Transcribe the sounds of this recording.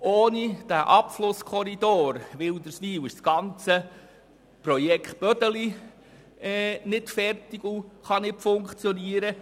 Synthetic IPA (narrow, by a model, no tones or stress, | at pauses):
oːnid̥æʔɑpflʊskʰɔɾid̪oːɾʋɪld̪əɾsʋiːwɪʃsɡ̥ɑnt͡sə | prɔjɛkχt̚b̥œdəli | ɛnɪtfɛrtɪɡuχɑnɪtfʊŋkt͡sjɔniəɾə